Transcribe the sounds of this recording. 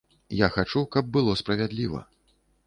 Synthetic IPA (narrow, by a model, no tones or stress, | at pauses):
jaxat͡ʂukɐb̚ːɨlˠɔspɾɐvʲad̪lʲivɐ̰